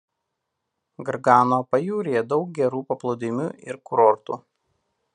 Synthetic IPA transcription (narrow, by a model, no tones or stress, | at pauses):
ɡɐɾɡɑːnoːpɐjuːɾʲijɛd̪ɒʊk̚ɡʲɛɾuːpɐplˠɔʊd̪ʲɪmʲuːʔɪ̰ɾkʊɾɔɾt̪uː